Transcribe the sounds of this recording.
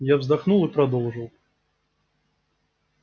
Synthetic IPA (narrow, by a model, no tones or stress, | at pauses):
javzd̪axnulˠipɾad̪ɔwʐɨw